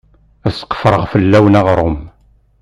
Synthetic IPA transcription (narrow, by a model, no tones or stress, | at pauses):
æsqːə̥fɾˤəʁfəlːæwnæʁɾˤʊm